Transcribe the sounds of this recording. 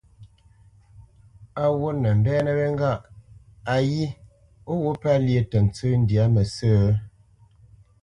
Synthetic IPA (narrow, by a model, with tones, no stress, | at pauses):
a˦˨wo˦nə˨m̩˨bɛː˦nə˦be˦ŋ˦ɡa˦ʔ | a˨ji˦ | o˦wo˦pa˦lje˨tə˨n˨t͡sə˦n̩˦dja˨˦mə˨səː˦˨˦